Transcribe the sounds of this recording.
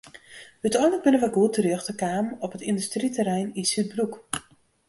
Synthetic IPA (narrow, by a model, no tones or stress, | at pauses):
hytɔjnlək̚bɪnənʋɛɡutərøxtəkaːmɔpɦətindystritəɾɛjninsyt̚bruk